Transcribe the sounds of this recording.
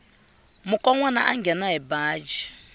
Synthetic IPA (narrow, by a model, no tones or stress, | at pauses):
mukʼɔŋwana̰ʔaŋɡɛnaɛbaːd͡ʒi